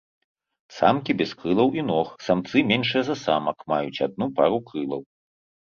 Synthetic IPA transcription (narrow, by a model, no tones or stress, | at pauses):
sa̰mkʲibʲɛskɾɨlˠɐwʔinɔxsamt̪sɨmʲɛnʂɨjɐzɐsa̰mɐkmajut͡sʲad̪̚nupaɾukɾɨlˠɐw